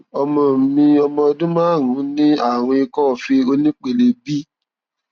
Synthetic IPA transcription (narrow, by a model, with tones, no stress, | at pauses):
ɔ˧mɔ̃˧˨mĩ˧ɔ˧mɔ̃˧dũ˦mãː˦˨ɾũ˨˦nĩ˦a˦˨w̃ɔ̃˧i˧kɔ˦˨fi˧o˧nĩ˦k͡pe˨le˨bi˦